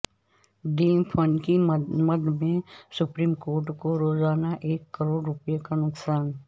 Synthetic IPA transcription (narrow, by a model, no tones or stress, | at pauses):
ɖiːmpʰənkimɐd̪mẽsʊpɾiːmkoːɾʈkoɾoːzaːnaʔeːkːəɾoːɽɾʊpjekanʊksaːn